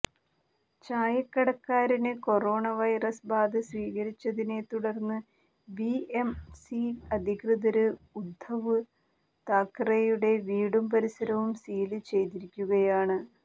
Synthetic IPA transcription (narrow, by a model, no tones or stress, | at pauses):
t͡ɕaːjɐkːɐɽɐkːaːɾinɨko̞ro̞ːɳɐʋɐjrɐsbaːd̪ɐsʋiːɣɐɾit͡ɕːɐðine̞t̪uɽɐrnːɨ | biemsiɐd̪ʱikrɨðɐɾɨud̪ʱɐʋɨ | t̪aːkːrejuɽe̞ʋiːɽumpɐɾisɐɾɐʋumsiːlɨt͡ɕe̞jt̪iɾikʲːuɣɐjaːɳɨ